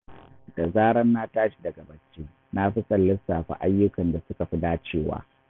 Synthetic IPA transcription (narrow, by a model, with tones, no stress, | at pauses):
d̥a˨zaː˦ɾɐ˦nːaː˦taː˦ʃi̥˦dɐ˨ɡa˨bɐ˨t͡ʃːeː˦ | na˦ɸi˦sʼɐ˨lːɪ˦sːaː˨ɸa̰˦ʔa˦jːʊ˦kɐ˨nda˨sʊ˦ka˨ɸi˦daː˦t͡ʃeː˦˨wa̰ː˦